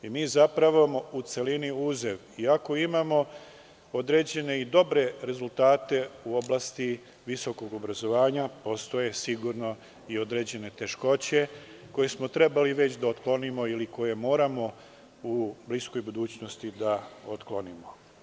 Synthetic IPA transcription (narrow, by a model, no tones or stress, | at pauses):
imiːzapɾaʋomout̪se̞liniuːzeʋ | iako̞imamo̞ | o̞d̪ɾe̞d͡ʑe̞ne̞id̪o̞bɾe̞ɾe̞zult̪aːt̪e̞uo̞blast̪i | ʋiso̞ko̞ɡo̞bɾazo̞ʋaːɲapo̞st̪o̞je̞siɡuɾno̞ | io̞d̪ɾe̞d͡ʑe̞ne̞t̪e̞ʃko̞t͡ɕe̞ | ko̞jesmot̪ɾe̞baliʋe̞t͡ɕd̪aot̪klˠo̞nimo̞iliko̞je̞mo̞ːɾamo̞ | ublisko̞jbud̪uːt͡ɕno̞st̪id̪ao̞t̪klo̞nimo̞